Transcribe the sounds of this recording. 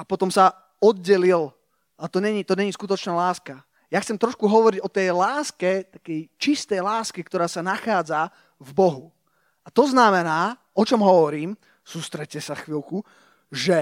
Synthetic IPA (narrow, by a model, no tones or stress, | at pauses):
apɔt̪ɔmsa | ɔd̪̚ɟɛlil | at̪ɔɲɛɲit̪ɔɲɛɲiskut̪ɔt͡ʃnaːlaːska | jaxt͡sɛmt̪ɾɔʃkuɦɔʋɔɾiɟɔt̪ɛjlaːskɛt̪ḁkɛjt͡ʃist̪ɛjlaːskɛkt̪ɔɾaːsanaxaːd͡za | vbɔɦu | at̪ɔznamɛnaː | ɔt͡ʃɔmɦɔʋɔɾiːm | suːst̪ɾɛcːɛsaxʋiːlˠku | ʒɛ